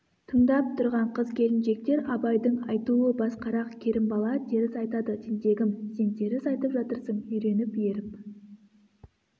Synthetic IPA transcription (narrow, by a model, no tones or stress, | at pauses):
t̪ʰəmd̪ɑp̚t̪ʰʊɾʁɑɴqʰəzkʲʰe̞lɪnʃe̞k̚t̪e̞ɾɑbɑjd̪əɴɑjt̪uəbɑsqɑɾɑqkʲʰe̞ɾɪmbɑlˠɑd̪e̞ɾɪsɑjt̪ɑd̪ət̪ʰend̪e̞ɡʲɪmse̞nd̪e̞ɾɪsɑjt̪əpʒɑt̪əɾsəɴʏjɾe̞nɪpje̞ɾɪp